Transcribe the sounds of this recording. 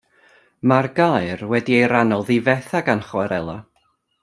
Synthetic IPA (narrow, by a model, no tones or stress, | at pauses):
marɡajrwɛdiejɾanɔlˠðivɛθaɡanχwɛɾɛlˠa